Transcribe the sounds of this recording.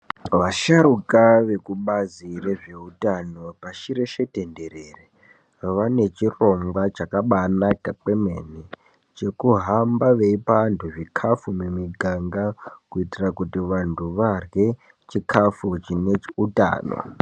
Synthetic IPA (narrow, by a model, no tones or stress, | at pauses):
ʋaʃaɾukaʋe̞kuɓazire̞ʐeutano̞paʃiɾe̞ʃe̞te̞nde̞ɾere | ʋane̞t͡ʃiro̞ŋɡwat͡ʃakaɓanakak͡pe̞me̞ni | t͡ʃe̞kuɦambaʋe̞ipantʰuʐikʰafumumiɡʱaŋɡakuitirakutiʋantʰuʋarwe̞ | t͡ʃikʰafut͡ʃine̞uta̰ːno̰